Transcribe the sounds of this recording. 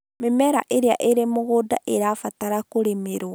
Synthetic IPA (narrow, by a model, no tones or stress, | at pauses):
memɛɾa̰ʔeɾeaʔeɾemoɣodaʔeɾaːfataɾakoɾemeɾa